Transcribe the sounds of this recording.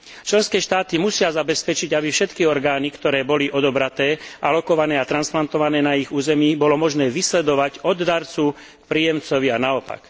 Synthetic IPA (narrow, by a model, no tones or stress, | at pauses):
t͡ʃlɛnskɛːʃt̪aːt̪imusɪazabɛspɛt͡ʃiɟabifʃɛt̪kiɔɾɡaːnikt̪ɔɾɛːbɔliʔɔd̪ɔbɾat̪ɛːʔalɔkɔʋanɛːat̪ɾansplant̪ɔʋanɛːnaiɣuːzɛmiːbɔlɔmɔʒnɛːʋislɛd̪ɔʋaɟɔd̪d̪aɾt͡su | k̚pɾiːjɛmt͡sɔʋianaɔpa̰k